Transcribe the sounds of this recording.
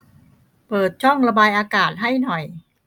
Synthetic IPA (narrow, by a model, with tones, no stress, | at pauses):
pɤː˨˩t̪̚t͡ɕʰɔ˥˩ŋɾa˧baː˧jʔaː˧kaː˨˩t̪̚ɦa˥˩jnɔ˨˩j